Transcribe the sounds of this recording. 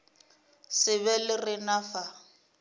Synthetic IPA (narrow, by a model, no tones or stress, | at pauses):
sɪβɛlɪrɪnafa